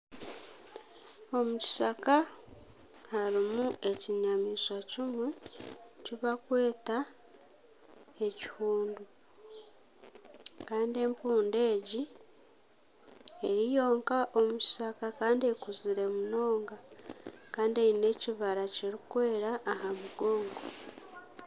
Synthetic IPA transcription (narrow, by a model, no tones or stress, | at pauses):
o̞muci̥saka | haɾimue̞ciɲamiːʃocimwe | ciβakwe̞ːta | e̞ci̥huːndu | kaːndie̞mpuːnde̞ːɟi | eɾijo̞ːŋkaʔo̞muci̥sakakaːndie̞kuziɾe̞muno̞ːŋɡakaːndieine̞ːciβaɾaceɾikwe̞ːɾaʔːhamuɡo̞ːŋɡo